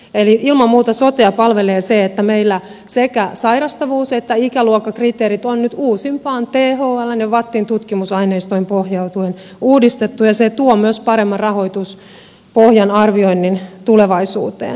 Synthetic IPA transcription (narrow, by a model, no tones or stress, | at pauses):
eliʔilmɑmmuːt̪ɑsot̪eɑpɑlʋeleːseet̪ːæmeilːæ | sekæsɑirɑst̪ɑʋuːset̪ːæikæluokːɑkrit̪eːɾit̪onnyt̪uːsimpɑːnt̪eɦoːɑlːɑneʋɑt̪ːiːnt̪ut̪kimusɑineist̪oimpohjɑut̪uen | uːdist̪et̪ːujɑset̪uomyøspɑɾemːɑrɑho̞it̪us | pohjɑnɑrʋio̞inːint̪uleʋɑisṵːt̪ḛːn